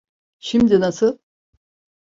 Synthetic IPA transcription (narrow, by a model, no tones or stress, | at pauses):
ʃimd̪inasɯlˠ